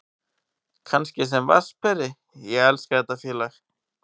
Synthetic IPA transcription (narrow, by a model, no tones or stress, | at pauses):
kʰanscɪsɛmva̰̥spɛɾɪ | jɛɣɛlskaɛt̪afjɛːlax